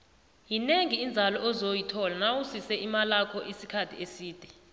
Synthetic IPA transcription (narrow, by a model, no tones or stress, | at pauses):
jineŋiːnd͡zʱalɔɔzojitʰɔlanawusisɛʔimalakʰɔʔisikʰatʰḭesiːd̥ʱɛ